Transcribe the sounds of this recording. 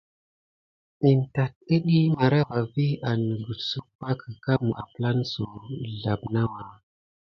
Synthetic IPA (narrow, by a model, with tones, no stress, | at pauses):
i˨n˨ta˨t̚ə˦ɗi˦ma˨ɾa˦va˨vi˦a˨nə˨ɡu˨su˦pa˦kə˨ka˦m˨a̰˨pla˦nsu˨ɮa˨bna˦wa˨